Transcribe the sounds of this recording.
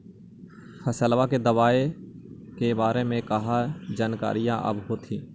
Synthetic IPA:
fʰəsəlʋaked̪ɐʋaːe | kebaːɾemẽkɐɦad͡ʒaːnka̰ːɾijãʔɐ̰bɦoːt̪ʰĩː

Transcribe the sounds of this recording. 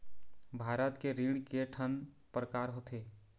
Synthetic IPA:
bʱaːɾət̪keɾiɽkeʈʰən | pɾəkaːɾɦot̪ʰeː

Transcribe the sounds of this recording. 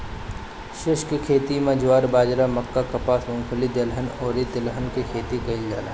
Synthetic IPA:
ʃɪʃkikʰeːt̪imẽd͡ʒwaːɾbaːd͡ʒɾamɐkːakɐpaːsʰmʊ̃ŋkʰʊlid̪ɪlɦənoːɾit̪ɪlɦənkikʰeːt̪ikɐɪld͡ʒa̰ːla̰

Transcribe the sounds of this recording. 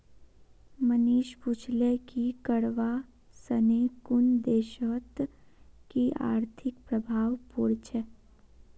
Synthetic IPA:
məniːʃput͡ʃʰlekikəɽʋa | səneːkʊnd̪eːʃət̪kiʔa̰ːɾt̪ʰɪk̚pɾəbʱaːʋpuɾt͡ʃʰɛ

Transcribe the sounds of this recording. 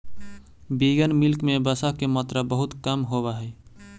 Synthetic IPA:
biɡənmɪlkmẽbəsakemat̪ɾəbəɦʊt̪kəmɦobaɦɛː

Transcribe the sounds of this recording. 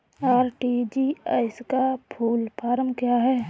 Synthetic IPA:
aːɾʈid͡ʒiaɪskapʰuːlpaːɾəmkjaɦɛː

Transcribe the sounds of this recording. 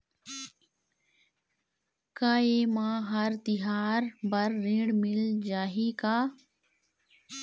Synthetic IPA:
kaːeːmãːɦəɾt̪ɪɦaːɾbəɾːẽːɽmɪld͡ʒaːɦiːkaː

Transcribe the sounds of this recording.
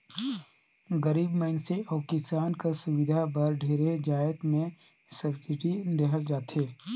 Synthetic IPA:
ɡəɾiːbmənseʔɔːkɪsaːnkasʊwɪd̪ʱabɐɾɖʱeːɾed͡ʒaːət̪mẽsɐbsɪʈid̪eɦəld͡ʒaːt̪ʰeː

